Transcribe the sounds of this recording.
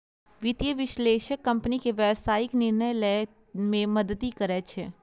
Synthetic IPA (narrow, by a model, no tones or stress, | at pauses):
ʋɪt̪jəʋɪʃleːʃəkːɐ̃mpnikeʋɛːbsaːɪknɪɾnəjlɛ | mẽmɐd̪ət̪ikəɾɛt͡ʃʰe